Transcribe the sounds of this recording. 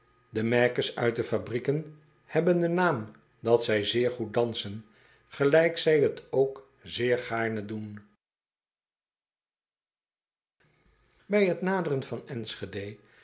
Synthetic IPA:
dəmɛɹkəɹsœ̰ɥt̚dəfabrikən | hɛbəndənaːm | dɑtsɛjzɪːɹχut̚dɑnsən | χəlɛjksɛjɦətʰowk | zɪːɹχaːɹnədun | bɛjɦətnaːdərənvɑnɛnsχedej

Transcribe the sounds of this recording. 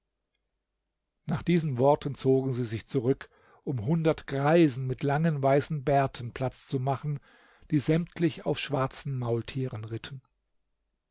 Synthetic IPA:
naːχd̥iːzn̩vɔɐtʰən̩t͡soːɡŋ̩ziːzɪçt͡suʁʏk | ʔʊmɦʊndɐtɡ̥ʁaɪzn̩mɪtʰlaŋənvaɪsn̩bɛɐtʰn̩pl̥at͡st͡sumaχn̩ | d̥iːzɛmtʰlɪçaʊfʃv̥aɐt͡sn̩maʊltʰiːʁənʁɪtʰn̩

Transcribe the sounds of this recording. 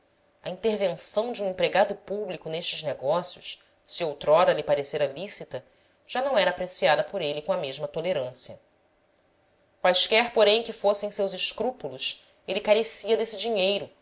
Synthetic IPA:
ɐĩnt̪eɾvẽsɐ̃w̃d͡ʒiũĩpɾeɡad̪ʊpublikʊneʃt͡ʃɪzneɡɔsjʊs | siowt̪ɾɔɾɐlipaɾeseɾɐlisit̪ɐ | ʒ̥anɐ̃w̃ɛɾɐaːpɾesiad̪ɐpoɾelikõɐmeʒmɐt̪oleɾɐ̃siɐ | kwajskɛɾpoɾẽj̃kɪfosẽsewzɪʃkɾupulus | elikaɾesiɐd̪esɪd͡ʒiɲejɾʊ

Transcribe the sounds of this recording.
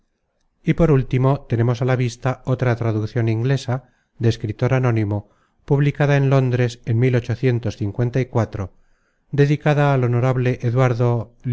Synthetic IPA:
ipo̞ɾult̪imo̞t̪e̞ne̞mo̞salaβist̪ao̞t̪ɾat̪ɾaðukθjo̞nĩŋɡle̞sa | ðeskɾit̪o̞ɾano̞nimo̞ | puβlikaðaenlo̞nd̪ɾe̞senmilo̞t͡ʃo̞θje̞nt̪o̞sθiŋkwe̞nt̪aikwat̪ɾo | d̪e̞ðikaðaːlo̞no̞ɾaβle̞ʔeðwaɾðol

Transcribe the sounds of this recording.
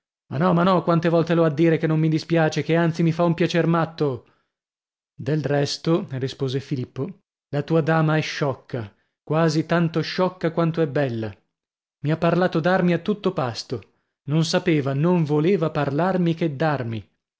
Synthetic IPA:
ma̰nːɔmanːɔkwant̪evɔlt̪eload̪ːiːɾekenːomːid̪ispjaːt͡ʃekeant̪simifaumpjat͡ʃermat̪ːo | d̪elrɛst̪orispoːzefilipːo | lat̪uːad̪aːmaɛʃːɔkʰːa | kwaːzit̪ant̪oʃɔkːakwant̪oɛbːɛlːa | miapːarlaːt̪od̪armiat̪ːut̪ːopast̪o | nonsapeːvanoɱvoleːvaparlarmiked̪ːarmi

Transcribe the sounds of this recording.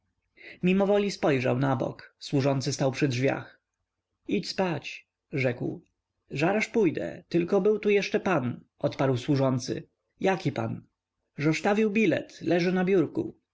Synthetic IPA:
mʲimɔvɔlʲispɔjʐa̰wnabɔ̰kswuʐɔnt̪sɘst̪awpʂɘdʐvʲja̰x | it͡ɕspat͡ɕ | ʐɛkw | ʐaɾaʂpujd̪ɛ̰t̪ɘlkɔbɘwt̪ujɛʂt͡ʂɛpanʔɔt̪paɾwswuʐɔnt̪sɘ̰ | jakʲipan | ʐɔst̪avʲiwbʲilɛ̰t̪lɛʐɘnabʲjuɾkṵ

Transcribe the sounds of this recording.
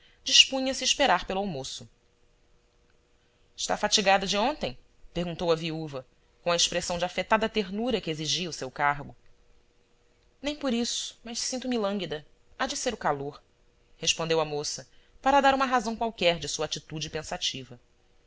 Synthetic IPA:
d͡ʒiʃpũɲɐsɪːʃpeɾaɾpelʊawmosʊ | ɪʃt̪afat͡ʃiɡad̪ɐd͡ʒɪõnt̪ẽj̃ | peɾɡũnt̪owɐviuvɐ | kõw̃ɐeʃpɾesɐ̃w̃d͡ʒɪafet̪ad̪ɐt̪eɾnuɾɐkɪeziʒiɐusewkaɦɡʊ | nẽj̃poɾisʊ̥mɐʃsĩnt̪ʊmɪlɐ̃ŋɡid̪ɐ | ad͡ʒɪseɾʊkaloɾ | heʃpõnd̪ewɐmosɐpaɾɐd̪aɾũmɐɦazɐ̃w̃kwawkɛɾd͡ʒɪsuɐat͡ʃit̪ud͡ʒɪpẽsat͡ʃivɐ

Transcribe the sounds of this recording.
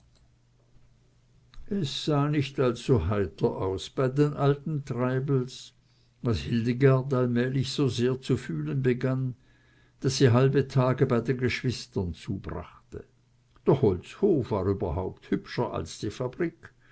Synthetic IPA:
ʔɛsz̥aːnɪçtalsːohaɪtɐʔaʊsb̥aɪdeːnʔaltn̩tʁ̥aɪbl̩s | vashɪldəɡaɐtalmɛːlɪçz̥oːzeːɐt͡sufyːlənbəɡan | d̥asːiːɦalbətʰaːɡəbaɪdeːnɡəʃv̥ɪstɐnt͡suːb̥ʁa̰χtə | d̥eɔɐhɔlt͡shoːfv̥aːʁyːbɐhɦaʊp̚thʏpʃɐʔa̰lsd̥iːfabʁiːk

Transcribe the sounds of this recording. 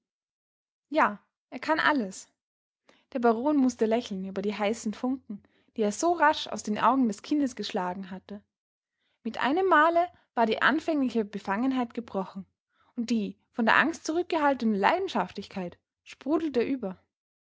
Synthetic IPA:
jaː | ʔeːɐkʰanʔa̰ləs | d̥eːɐbaʁ̞oːnmʊstəlɛçl̩nyːbɐdiːɦaɪsn̩fʊŋkŋ̩ | d̥iːeːɐzoːʁaʃa̰ʊsd̥eːnʔa̰ʊɡŋ̩dɛskʰɪndəsɡ̥əʃlaːɡŋ̩ɦatə | mɪtʔa̰ɪnəmːaːlə | v̥aːɐdiːʔa̰nfɛŋlɪçəbəfaŋənɦaɪtɡ̥əbʁɔχn̩ | ʔʊnt̚d̥iː | fɔndeːɐʔa̰ŋstt͡suʁʏk̚ɡ̥əɦaltənəla̰ɪdn̩ʃaftlɪçkʰaɪt | ʃpʁ̥uːdl̩teːɐʔyːbɐ

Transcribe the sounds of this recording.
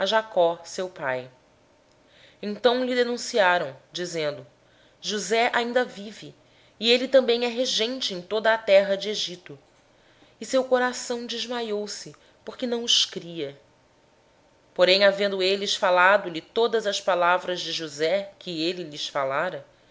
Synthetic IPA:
ɐʒakɔsewpaj | ẽnt̪ɐ̃w̃lɪd̪enũsiaɾɐ̃w̃d͡ʒizẽnd̪ʊ | ʒuzɛʔaĩnd̪ɐvivɪː | elɪt̪ɐ̃mbẽj̃ɛɦeʒẽnt͡ʃɪẽj̃t̪od̪ɐːt̪ɛɦɐd͡ʒɪeʒit̪ʊ | ɪsewkoɾasɐ̃w̃d͡ʒɪʒmajowsɪ | poɾkɪnɐ̃w̃ʊʃkɾiɐ | poɾẽj̃avẽnd̪ʊelɪʃfalad̪ʊlɪt̪od̪ɐzɐspalavɾɐzd͡ʒɪʒuzɛkʰɪelɪlɪsfalaɾɐ

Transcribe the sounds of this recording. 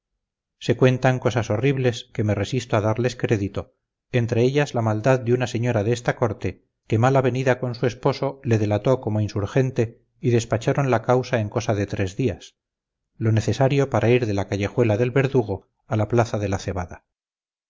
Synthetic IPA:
se̞kwe̞nt̪aŋko̞saso̞riβle̞skeme̞re̞sist̪oaðaɾle̞skɾe̞ðit̪o̞ | ent̪ɾe̞eʎazlamald̪aðd̪eunase̞ɲo̞ɾaðeest̪ako̞ɾt̪e̞ | ke̞malaβe̞niðako̞nsue̞spo̞so̞le̞ðe̞lat̪o̞ko̞mo̞insuɾe̞nt̪e̞ | iðe̞spat͡ʃaɾo̞nlakawsae̞ŋko̞saðe̞t̪ɾe̞zðias | lo̞ne̞θe̞saɾjo̞paɾʔaiɾðe̞lakaʝe̞xwe̞laðe̞lβe̞ɾðuɣ̞o̞ | alaplaθaðe̞laθe̞βaða

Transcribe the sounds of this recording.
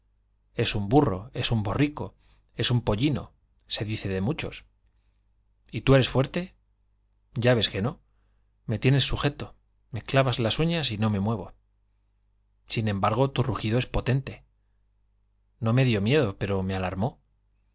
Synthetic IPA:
e̞sumburo̞̰e̞sumbo̞riko̞̰ | e̞sumpo̞ʎino̞̰ | se̞ðiθe̞ðe̞mut͡ʃo̞̰s | it̪ue̞ɾe̞sfwe̞ɾt̪e̞ | ɟ͡ʝaβe̞ske̞no̞ | me̞t̪je̞ne̞sːuxe̞t̪o | me̞klaβazlasuɲasino̞me̞mwe̞βo̞ | sinẽ̞mbaɾɣ̞o̞t̪uruxiðo̞e̞spo̞t̪e̞nt̪e̞ | no̞me̞ðjo̞mje̞ðo̞pe̞ɾo̞me̞alaɾmo̞

